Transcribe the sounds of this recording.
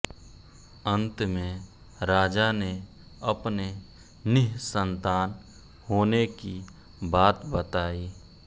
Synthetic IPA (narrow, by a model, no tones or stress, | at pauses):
ə̃nt̪mẽ | ɾaːd͡ʒane | ɐpne | nɪɦsə̃nt̪aːn | hoːneki | baːt̪bət̪aːiː